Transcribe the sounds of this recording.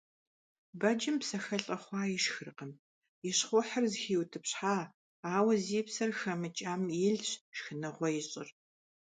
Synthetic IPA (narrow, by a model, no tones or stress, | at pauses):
bɐd͡ʒɪmpsɐxɐɬʼɐχʷɑːjɪʃxɨrqəm | jɪɕχʷɔħɐrzxiːwtʰɨpɕħaː | aːwɐziːpsɐrxɐmɨt͡ʃʼaːmiɮɕʃxɨnɐʁʷɔjɪɕʼɪr